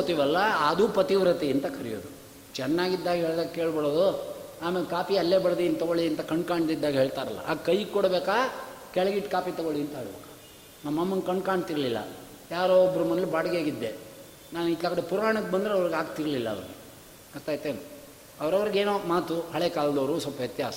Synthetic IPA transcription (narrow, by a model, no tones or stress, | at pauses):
t̪iʋɐlːɐːd̪uːpɐt̪iʋɾɐt̪iɐnt̪ɐkɐɾijo̰ːd̪u | t͡ʃɛnːaːɡid̪ːaːɡɦeːɭd̪aːɡkeːɭbɐɽoːd̪u | aːmelkaːpiɐlːeːbɐɽɐd̪iɐnt̪ɐɡoɭiɐnt̪ɐkɐɳɖkaːɳɖd̪id̪ːaːɡɦe̞ːɭt̪aːɾɐ̰lːɐ̰ʔa̰ːkɐjɡkɔɽbeːkaːkɛɭɐɡiʈːkaːpit̪ɐɡoɭiɐnt̪ɐɦeːɭbeːkḁ | nɐmːɐmːɐnkɐɳɖkaːɳɖt̪iɾɐlilːɐ̰ | jaːɾoːɔbɐɾɐmɐnlibaːɽɐɡjaːɡid̪ːe | naːnuikːaːkɐɽepuɾaːɳɐkːebɐnd̪ɾeɐʋɐɾiɡaːɡt̪iɾɐlilːɐ̰ːʋɐɾɡe | ɐst̪aːjt̪eːnu | ɐʋɐɾɐʋɐɾiɡeːnoːmaːt̪uɦɐɭekaːlɐd̪ɐːɾusɔlpːɐɦɛt̪ja̰ːsɐ̥